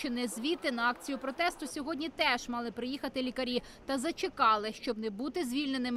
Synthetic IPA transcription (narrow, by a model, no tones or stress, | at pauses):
t͡ʃɔnɛzʲʋʲit̪ɪnɐɑk̚t͡sʲijʊpɾɔt̪ɛst̪ʊsʲɔɦɔdʲnʲit̪ɛʒmɑlˠɪpɾɪjixɐt̪ɪlʲikɐɾʲi | tt̪ɐzɐt͡ʃɪkɑlˠɪʃt͡ʃɔbnɛbut̪ɪzʲʋʲilʲne̞nɪm